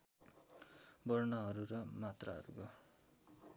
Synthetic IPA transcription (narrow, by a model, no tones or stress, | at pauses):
bʌrnʌɦʌɾuɾʌmat̪raɦʌ̰ɾukʌ